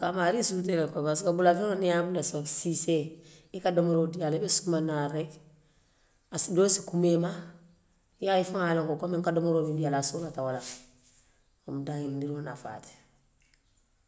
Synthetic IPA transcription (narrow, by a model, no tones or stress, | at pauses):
kamaɾisut̬elekobas̬ikabulafeonijabulasababsiseikadomoɾodialibesumanaɾek | asidoːsikumema | jaifaŋalaŋkokomiŋkadomoɾoːmidialasulatawala | omudaŋilndiɾonafa̰ːti̥